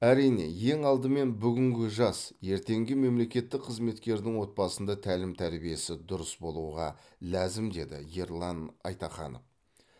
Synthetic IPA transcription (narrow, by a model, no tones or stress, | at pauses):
æɾijne̞̰je̞ŋɑlˠd̪əme̞nbʏɡʲɪŋɡʲɪʒɑsje̞ɾt̪e̞ŋɡʲɪme̞mle̞kʲe̞t̪ːɪk̚qʰəzme̞t̪kʲe̞ɾd̪ɪŋwo̞t̪̚bɑsənd̪ɑt̪ʰælɪmt̪ʰæɾbije̞sɪd̪ʊɾəsbo̞lˠuʁɑ | læzɪmd̪e̞d̪ɪ̰jeɾlˠɑnɑ̰jt̪ɑχɑ̰no̰f